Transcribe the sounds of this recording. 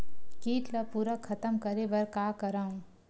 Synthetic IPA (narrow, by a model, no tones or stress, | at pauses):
kiːʈlɐpuːɾakʰːɐt̪əmkɐɾebɐɾkaːkɐɾaːũː